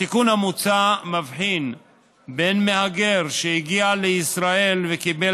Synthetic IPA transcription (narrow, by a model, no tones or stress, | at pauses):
ikunamut͡samavħin | be̞nmehaɡe̞ʁʃeiɡialeisʁae̞lvekibe